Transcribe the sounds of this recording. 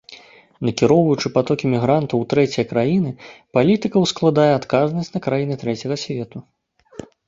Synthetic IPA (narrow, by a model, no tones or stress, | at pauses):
nɐkʲiɾɔwvɐjut͡ʂɨpat̪ɔkʲimʲiɣɾant̪ɐwt̪ɾɛt͡sʲijɐkɾajinɨpalʲit̪ɨkɐwsklˠad̪ajɛat̪kaznɐsʲt͡sʲnɐkɾajinɨt̪ɾɛt͡sʲɐɣɐsʲvʲɛt̪u